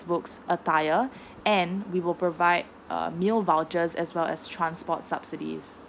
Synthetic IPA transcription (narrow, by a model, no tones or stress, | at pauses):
sbʊksʔətaɪə | ɛ̃nwiwɪlpɹovaɪd̰̚milvalt͡ʃəzɛ̰swɛlɛ̰stʰɹãnspɔtsabsidḭz